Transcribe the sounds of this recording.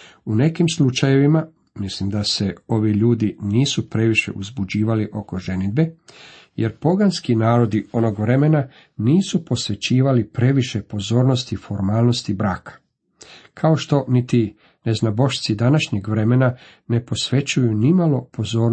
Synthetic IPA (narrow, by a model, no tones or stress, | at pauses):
une̞kimslut͡ʃaje̞ʋima | mislimd̪ase̞o̞ʋiʎuːd̪iniːsupɾe̞ʋiʃe̞̰ʔuzbud͡ʑiːʋaliʔo̞ko̞ʒe̞nid̪̚be̞ | jeɾpo̞ɡanskinaːɾo̞d̪io̞no̞ɡʋɾe̞me̞na | niːsupo̞sʋe̞t͡ɕiːʋalipɾe̞ʋiʃe̞po̞zo̞ːɾno̞st̪ifo̞ɾmaːlˠno̞st̪ibɾaːkʰḁ | kʰaoʃt̪o̞nit̪i | ne̞znabo̞ʃt̪sid̪anaʃɲeɡʋɾe̞me̞na | ne̞po̞sʋe̞t͡ɕujunimalo̞po̞zo̞ːɾ